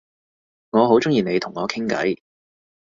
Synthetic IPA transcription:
ŋɔː˨˧ɦo˨˥wt͡sʊ˥ŋjiː˨˩ne˨˧jt̪ʰʊ˨˩ŋːɔː˨˧kʰɪ˥ŋkɐ̰˨˥j

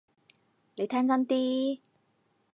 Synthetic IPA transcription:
le˨˦jt̪ʰaː˧nt͡sa˧nt̪i˧

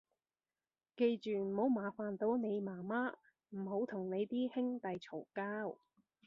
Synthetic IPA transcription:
ke˧jt͡ʃyː˨m̩˨˩ho˨˥wmaː˨˩faː˨nt̪o˨˧˥wne˨˧jmaː˨˩maː˥ | m̩˨˩ho˨˥wt̪ʰʊ˨˩ŋne˨˧jt̪iː˥hɪ˥ŋt̪ɐ˨jt͡sʰo˨˩wkaː˥w

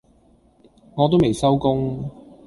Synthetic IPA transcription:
ŋɔː˨t̪̬o˥wme˨˩jsɐ˥wkʊ˥ŋ

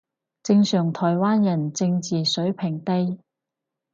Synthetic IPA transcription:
t͡sɪ˧ŋsœː˨˩ŋt̪ʰɔː˨˩jwaː˥njɐ˨˩nt͡sɪ˧ŋt͡siː˨sɵ˨˥ɥpʰɪ˨˩ŋt̪e˥j

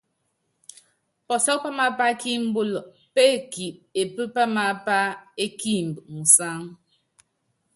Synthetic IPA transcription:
pɔ˨sɔ˦k̚pa˦ma˦pa˦ki˦m̩˦bo˦lɔ˨ʔ | pe˦˨ki˨p̚e˨pə˦pa˦ma˨pa˦e˦ki˦m̩˨bŋ̩˨sa˦ŋ

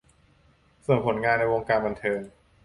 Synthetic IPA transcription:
so˨˩ŋpʰo˩˦nŋaː˧nːa˧jwo˧ŋkaː˧nba˧nt̪ʰɤː˧ŋ

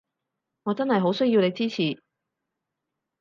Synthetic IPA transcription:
ŋɔː˨˧t͡sɐ˥nhɐ˨jɦo˨˥wsɵ˥ɥjiː˨˧wne˨˧jt͡siː˥t͡sʰiː˨˩

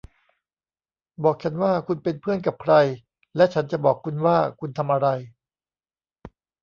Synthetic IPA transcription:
bɔː˨˩k̚t͡ɕʰa˦˥nwaː˥˩kʰu˧npe˧npʰɯ˥˩ənka˨˩p̚kʰɾa˧j | lɛ˦˥t͡ɕʰa˦˥nt͡ɕa˨˩bɔː˨˩kʰːu˧nwaː˥˩kʰu˧nt̪ʰa˧mʔa˧ɾa˧j

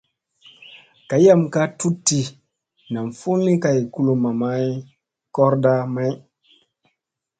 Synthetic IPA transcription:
ka˨ja˦mka˦tu˦tːi˨ | na˨mfu˦nːi˦ka˨jku˦lu˨ma˨ma˦j | kɔ˦ɾda˦ma˦j

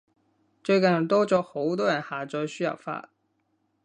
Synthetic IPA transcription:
t͡ʃɵ˧ɥkɐ˨nɐ˨˩t̪ɔː˥t͡sɔː˨˥xo˨˥wt̪ɔː˥jɐ˨˩nhaː˨˩t͡sɔː˧jsyː˥jɐ̰˨wfa̰ː˧˩

